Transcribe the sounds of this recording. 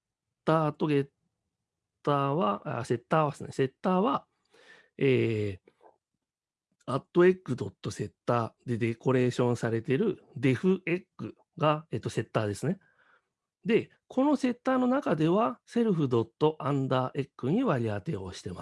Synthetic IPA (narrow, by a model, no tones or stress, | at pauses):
t̪ːaːt̪o̞ɡe̞t̪ː | aːβaa̰se̞t̪ːaːβasɨnese̞t̪ːaːβa | eː | at̪ːo̞e̞kːɯd̪o̞t̪ːo̞se̞t̪ːaːd̪e̞d̪e̞ko̞ɾe̞ːɕõ̞ɰ̃saɾe̞t̪e̞ɾɯ̟d̪e̞ɸɯ̟ʔe̞kːɯ̟ | ɡaeːt̪ːo̞se̞t̪ːaːd̪e̞sɨne̞ | d̪e̞ | kʰo̞no̞se̞t̪ːaːno̞nakad̪e̞βase̞ɾɯ̟ɸɯ̟d̪o̞t̪ːo̞ʔãnd̪aːʔe̞kːɯ̟ɲ̟iβaɾʲiat̪e̞o̞ɕi̥t̪e̞ma